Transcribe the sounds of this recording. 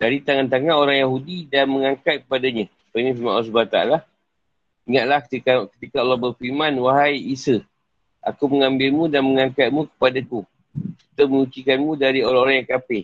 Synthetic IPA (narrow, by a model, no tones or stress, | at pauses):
daɾit̪aŋant̪aŋãnoɾaŋjaɦudidanməŋãŋkat̪̚kə̥padaɲə̃ | painĩfimãnls̬bat̪a̰a̰la | iŋat̪̚lahkikakət̪ikaalːɔbərfimãnwaɦajisə | ʔa̰kuməŋãmbɪlmũdanməŋaŋkat̪̚mũkə̥padaku | sət̪əmənut͡ʃikanmũdaɾioɾaŋoɾaŋjaŋkapɪ